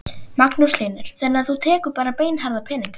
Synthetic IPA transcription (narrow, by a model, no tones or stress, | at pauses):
maknuslejnʏɾ̥θɛnːɪaθut̪ʰɛːkʏɾpaːɾapeːjnɦaɾðapʰɛːniŋkḁ